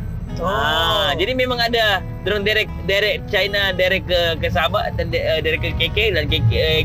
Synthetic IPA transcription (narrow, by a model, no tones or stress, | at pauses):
ad͡ʒadimemãŋada | d̪ɾʊŋdaɾɛk̚daɾɛk̚t͡ʃajnadajɾɛkːəkəs̬abaʔdanədaɾɛkːəkekɛʔ̚dankek